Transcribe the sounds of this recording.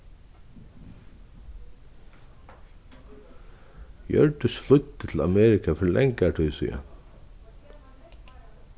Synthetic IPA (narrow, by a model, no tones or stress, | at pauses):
jœ̰ɹt̪ʏsflʊt̪ːɪt̪ʰɪla̰mɛːɾɪkʰafœɾlʔɛŋkat̪ʰʏjsḭa̰